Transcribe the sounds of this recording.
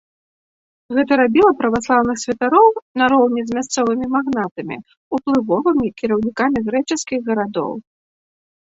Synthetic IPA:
ɣɛt̪ɐɾabʲilˠɐpɾɐvaslˠawnɨxsʲvʲɐt̪aɾɔwnɐɾɔwnʲɛzʲmʲast̪sɔvɨmʲimaɣnat̪ɐmʲḭ | uplˠɨvɔvɨmʲikʲiɾɐwnʲikamʲiɣɾɛt͡ʂɨskʲiɣɣɐɾad̪ɔ̰w

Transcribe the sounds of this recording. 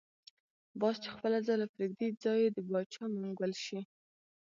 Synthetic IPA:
bɑst͡ʃexpəlazɑlapɾiɡd̪id͡zɑjd̪əbɑt͡ʃɑmaŋɡwəlʃi

